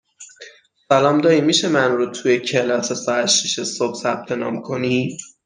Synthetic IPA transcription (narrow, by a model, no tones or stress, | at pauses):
sælɒːmd̪ɒːɾiːmiːʃemænɾot̪ʰujecʰe̞lɒːsesɒæʃiʃesob̥sæb̥̚t̪ʰe̞nɒ̰ːmkʰo̞ni